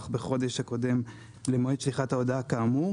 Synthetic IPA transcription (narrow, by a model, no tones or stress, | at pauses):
χbeχo̞d̪e̞ʃhako̞de̞m | lemoiʃliχataodakaːmu